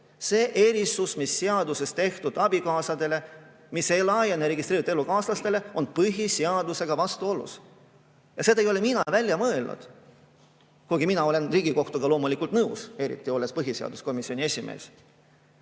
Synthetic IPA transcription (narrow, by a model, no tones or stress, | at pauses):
se̞ːʔe̞ɾisusmisːeɑd̪use̞st̪e̞ht̪ud̪̥ɑb̥ikɑːsɑd̪e̞le̞ | mise̞jlɑjeneɾe̞ɡist̪ɾeːɾit̪ːˑe̞lːukɑːslɑst̪e̞le̞o̞npɯɦiseɑd̪use̞ɡ̥ɑvɑst̪uo̞lṵs | jɑse̞d̪ɑejo̞leminɑvælʲjɑmɤelnṵd̪̥ | kuɡ̥iminɑo̞le̞nriːɡ̥iko̞ht̪uɡ̥ɑlo̞ːmulikˑult̪nɤwse̞ɾḭt̪ːˑio̞lːespɤɦiseɑ̰d̪usko̞misio̞nʲie̞sʲimḛːs